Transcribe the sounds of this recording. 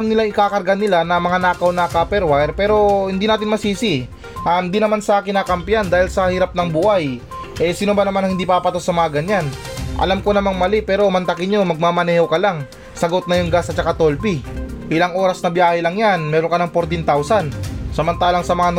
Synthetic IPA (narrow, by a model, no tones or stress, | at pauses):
mnɪlaŋɪkaːkɐɾɡanɪlanɐmɐŋanaːkɐwnɐkaːpɛɾwajɾpɛːɾo̞hɪnd̪inaːt̪ɪnmɐsiːsi | ʔahɪnd̪inɐmansɐkɪnaːkɐmpjand̪aːhɪlsɐhɪɾap̚nɐŋbuːhaj | ʔɛsɪnʊbanɐmanɐŋhɪnd̪ipaːpɐt̪osɐmɐŋaɡɐɲan | ʔɐ̰lamko̞nɐmaŋmɐlɛpɛːɾo̞mɐnt̪ɐkɪɲomɐɡ̚maːmɐnɛːhokɐlaŋ | sɐɡo̞t̪̚nɐjʊŋɡasɐtt͡ʃːɐkat̪o̞lpi | ʔɪlaŋʔo̞ːɾɐsnɐbjaːhɛlɐŋjanmɛːɾoŋkɐlɐŋpoɾt̪ɪnt̪awsansɐmɐnt̪aːlɐŋsɐmɐŋa